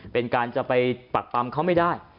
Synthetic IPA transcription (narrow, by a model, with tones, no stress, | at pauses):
pe˧nkaː˧nt͡ɕa˨˩pa˧jpa˨˩k̚pa˧mkʰa˦˥wma˥˩daː˥˩j